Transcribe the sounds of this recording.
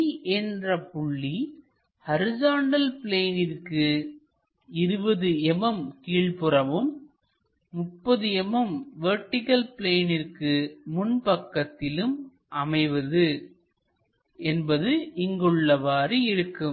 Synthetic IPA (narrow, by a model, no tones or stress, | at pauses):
ʔɛndrɐpʊɭːi | hɐɾɪd͡ʒaːɳɖɐlpɪleːnɪrkɯ | ɪɾɯbɐðɯɛmɐmkiːɭpɯrɐʋɯmː | ʊpːɐðɯɛmɐmʋɐɾʈːɪkɐlpɪleːnɪrkɯmʊnpɐkːɐt̪ːɪlɯm | ʔɐmɐɪʋɐðɯ | ɛnbɐðɯʔɪŋɡɯɭːɐʋaːɾɯɪɾɯkːɯm